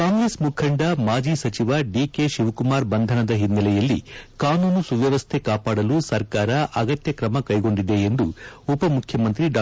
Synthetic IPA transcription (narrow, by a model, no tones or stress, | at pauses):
kaːŋɡɾeːsmukʰɐɳɖɐmaːd͡ʒiːsɐt͡ʃiʋɐɖiːke̞ːʃiʋkumaːɾbɐnd̪ʱɐnɐd̪ɐɦinːɐlɛjɐlːikaːnuːnusuʋjɐʋɐst̪ʰe̞kaːpaːɽɐlusɐɾkaːɾɐʔɐɡɐt̪jɐkɾɐmɐkɐjɡo̞ɳɖid̪e̞ːnd̪uupɐmukʰjɐmɐnt̪ɾiɖaː